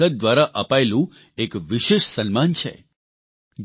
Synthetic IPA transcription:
əd̪̚d̪ʋaɾaʔəpaelũ | ekʋiʃeʃsənmant͡ʃʰḛ | d͡ʒ

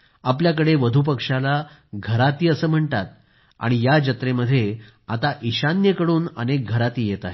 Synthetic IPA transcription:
apljak̬əɽeʋəd̪ʱup̬əkʂala | ɡʱəɾat̪iːəsəːm̤əɳt̪at̪̚ | a̰ɽ̃ijad͡ʑət̪ɾeməd̪ʱːje | at̪aʔiɕanjəkəɽuːnə̰nek̚ɡʱəɾat̪iːjet̪aɦe

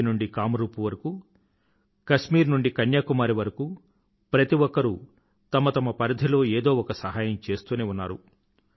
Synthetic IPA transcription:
nuɳɖikaːmɐɾuːpuʋɐɾɐkuː | kɐʃmiːɾnuɳɖikɐnjaːkumaːɾiʋɐɾɐkuː | pɾɐt̪iʋɔkːɐɾu | t̪ɐmɐt̪ɐmɐpɐɾɐd̪ʱilo̞ːeːd̪o̞ːɔkɐsɐɦaːjɐmt͡ʃe̞ːst̪uːneːunːa̰ːɾṵ

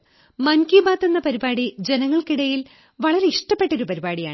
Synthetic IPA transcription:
mɐnkibaːt̪ːenːɐpɐɾibaːɽid͡ʑe̞nɐŋːɐɭkiɽɐjil | ʋɐɭɐɾe̞iʂʈɐpːe̞ʈːo̞ɾupɐɾibaːɽijaːɳ

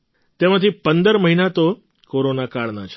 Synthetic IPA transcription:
t̪emãt̪ʰipənd̪əɾməɦinat̪o | koɾonakaɭnat͡ʃʰe̥

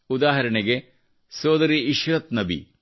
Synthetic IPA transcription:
ud̪aːɦɐɾɐɳeɡe | soːd̪ɐɾiiʃɾɐt̪nɐbḭ

